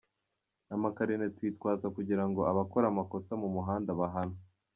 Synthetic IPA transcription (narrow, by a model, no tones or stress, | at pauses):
amakaɾinetwiːtkwaːzakuɟiɾaŋɡo̞aβakoɾamako̞samumuɦaːndaβaɦano